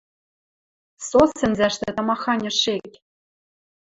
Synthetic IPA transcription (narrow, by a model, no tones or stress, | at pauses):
sosɘ̆nzæʃt̪ɘ̆t̪ɑ̆mɑxɑnʲɤ̆ʃekʲ